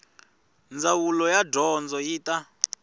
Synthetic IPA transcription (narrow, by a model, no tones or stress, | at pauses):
nd͡zawulɔjadɔnd͡zɔjiːtʼa